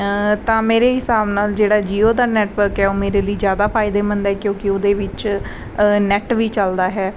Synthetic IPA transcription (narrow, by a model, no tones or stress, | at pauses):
t̪ãːmeːɾeːɦɪsaːbnaːld͡ʒeːɽaːd͡ʒiːoːd̪aːnɛːʈʋəɾkɦɛːoːmeːɾeːləiːzjaːd̪aːpʰaːɪd̪eːmənd̪ɦɛːkjõːkɪoːd̪eːʋɪt͡ʃ | nɛːʈʋiːt͡ʃəld̪aːɦɛː